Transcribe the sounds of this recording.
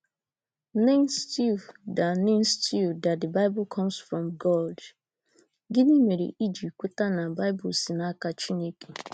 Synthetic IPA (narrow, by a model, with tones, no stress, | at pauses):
ne˦nsti˦vda˨ne˦n̩˦stʰi˦˨vda˨tdɪ˨ba˦ɪ˦bʊ˨kʰɔ˦msfɾɔ˨mɡɔ˦ld | ɡɪ˦ni˦me˨ɾḛ˨ʔi˦d͡ʒi˨kʷe˦ta˦na˨ba˦ɪ˦bʊ̰˨si˨na˦ka˦t͡ʃi˦ne˦ke˨